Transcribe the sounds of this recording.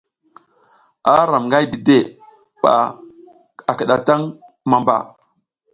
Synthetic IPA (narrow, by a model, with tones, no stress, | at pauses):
a˦ɾa˨mŋɡa˦jdi˨de˦˨ | ɓa̰˨ | a˨kə˨ɗa˨ta˦ŋ | ma˨mba̰˨